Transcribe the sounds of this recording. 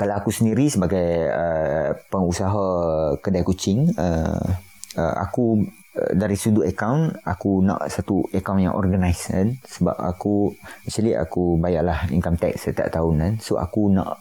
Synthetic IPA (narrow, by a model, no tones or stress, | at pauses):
kalaakusəndiɾisəbaɡajəpəŋusaɦakədajkut͡ʃɪŋə̰ | əʔa̰ku | ə̰daɾisuduʔəkawnakunã̰ʔsat̪uəkawnja̰ŋʔɔ̰rɡənajsa̰nsəba̰pa̰kuɛʔt͡ʃalia̰kubajaʔlahḭŋkamt̪ɛ̰ksət̪a̰ʔt̪aʊnansoʔa̰kunã̰ʔ